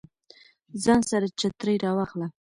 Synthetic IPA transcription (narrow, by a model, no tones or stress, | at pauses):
zɑnsaɾat͡ʃat̪ɾəjɾɑwɑxla